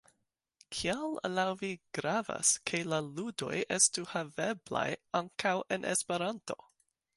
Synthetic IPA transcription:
kʰiallawviɡ̥ɾava̰skʰelaludo̞̰jestuhavebla̰jaŋkawʔḛnʔespe̞ɾanto̞

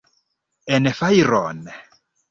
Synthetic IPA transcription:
ɛnɛfairɔːnɛ

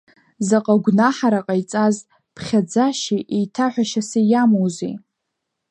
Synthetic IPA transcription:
zaqʼaɡʷnaħaɾaqʼajt͡sʼaz | pʰχʲad͡zaʃiʔejtʰaħʷᶣaʃasejamowzḭ

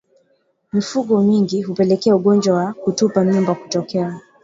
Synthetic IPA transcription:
mifuɠɔmiŋɡiɦupɛlɛkɛauɠɔnd͡ʒwawakutupaɲumbaku̥tɔkɛa

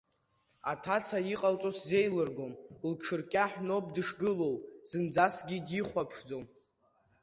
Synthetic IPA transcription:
atʰat͡sʰajiqʼalt͡sʼosze̞jlɨrɡo̞mlʈ͡ʂʰɨrkʲʼaħno̞pʼdɨʂɡɨlo̞wz̥ɨnd͡zasɡʲidjiχʷapʰʂd͡zo̞m

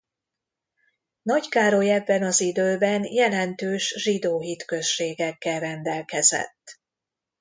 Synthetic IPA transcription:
nɒckaːɾo̞jɛbːɛnɒzid̪øːbɛnjɛlɛnt̪øːʃʒid̪oːɦit̪kø̞ʃːeːɡɛkːɛlrɛnd̪ɛlkɛzɛ̰t̪ː

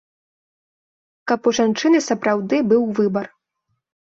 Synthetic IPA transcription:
kɐpuʐant͡ʂɨnɨsɐpɾawd̪ɨbɨwvɨbɐr

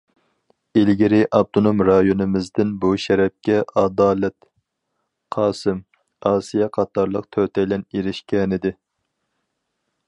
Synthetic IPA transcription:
ilɡʲɪɾɪʔɑb̚t̪ʰonomɾɑjonɨmɪzd̪ɪnbuʃɛɾɛp̚kʲɛʔɑd̪ɑːlɛt̪ | qʰɑːsɨm | ɑːsijɛqʰɑt̪ɑɾlˠəq̚t̪ʰøt̪ʰɛjlɛneɾɪʃkʲɛnɪd̪ɪ

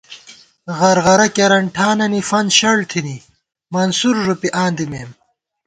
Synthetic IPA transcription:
ɣɐɾɣɐɾɐkɐɾɐɳʈʰaːnɐnifɐnɕɐɭt̪ʰini | mɐnsuɾʐupiʔaːnd̪imeːm

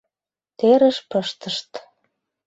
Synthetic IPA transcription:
t̪eɾə̆ʃpəʃt̪əʃt̪

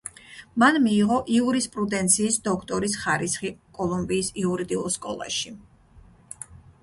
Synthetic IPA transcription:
manmiːʁɔʔiuɾispʼɾud̪ɛnt̪sʰiːsd̪ɔkʰt̪ʼɔɾisχaɾisχikʼɔlˠumbiːsiuɾid̪iulˠskʼɔ̰lˠa̰ʃi

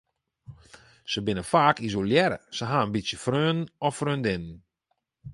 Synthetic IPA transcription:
səbɪnəfaːkis̬oljɛɾə̰səɦaənbisjəfrøːnɔfrøːndɪnən

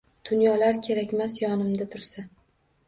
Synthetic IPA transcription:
d̪̥ʊnjɒlaɾkʲʰe̞ɾakʲmasjɒnɪmd̪at̪ʰʊɾsa

